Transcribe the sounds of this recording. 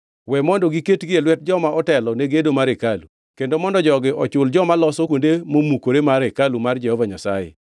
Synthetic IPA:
wɛmɔndɔɡiketɡɪelwɛt̚d͡ʒɔmaʔɔtɛlɔneɡedomaɾekalu | kendomɔndɔd͡ʒɔɡɪʔɔt͡ʃʊld͡ʒɔmalɔsɔkwondemomukoɾemaɾekalumard͡ʒɛhɔvaɲasa̰jḛ

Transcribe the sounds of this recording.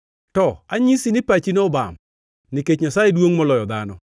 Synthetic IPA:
tɔaɲisinɪpat͡ʃinɔba̰m | niket͡ʃɲasajedwoŋmɔlɔjɔd̪anɔ

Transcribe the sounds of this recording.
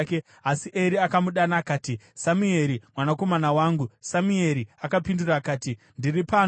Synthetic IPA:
ke | asiʔeɾiakamuɗanaːkaːtisamue̞ɾimwanako̞manawaːŋɡusamue̞ɾiakapinduraːkaːti | ndiripaː

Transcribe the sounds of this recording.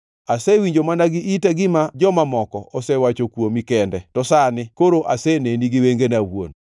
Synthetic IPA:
asɛwiɲd͡ʒomanaɡɪʔitaɡɪmad͡ʒɔmamɔkɔʔɔsɛwat͡ʃokwomikɛndɛtɔsanɪkoɾoʔaseneniɡɪweŋɡenawo̰n

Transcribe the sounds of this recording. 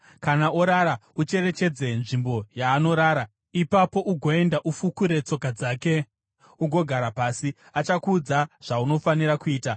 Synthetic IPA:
kanaoɾaɾaut͡ʃe̞re̞t͡ʃe̞d͡zenʐimbo̞jaːno̞ɾaːɾa | ipapo̞ʔuɡʱo̞e̞ndaʔufukuɾe̞t͡so̞kad͡zaːke̞ | uɡʱo̞ɡʱaɾapaːsi | at͡ʃakud͡zaʐ̥auno̞faniɾakuiːta

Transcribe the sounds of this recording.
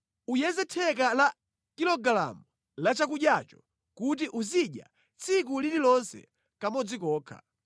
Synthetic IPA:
ujɛzɛtʰɛkala | kilɔɡala̰mu | lat͡ʃakuɗjat͡ʃɔ̥ | kut̬iʔuziɗja̰ | t͡sʰik̬ulililɔnsɛ̰ | kamɔd͡zikɔːkʰa̰

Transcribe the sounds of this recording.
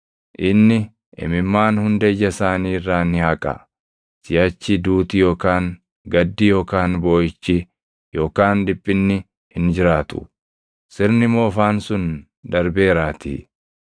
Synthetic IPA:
ʔɪnːɪ | ʔɪ̰mɪmːaːnhʊnd̪ɐd͡ʒɐsaːniːrːaːnːɪhɐkʼɐ̰ | sɪjɐt͡ʃːɪd̪uːt̪ɪjo̞ːkaːŋ | ɡɐd̪ːɪjo̞ːkaːnbo̞ːɪt͡ʃːɪ | jo̞ːkaːnd̪ɪpʼːɪnːɪ | hɪnd͡ʒɪɾaːt̪ʊ̥̰ | sɪɾnɪmo̞ːfaːnsʊn | d̪ɐɾbe̞ːɾaːt̪i

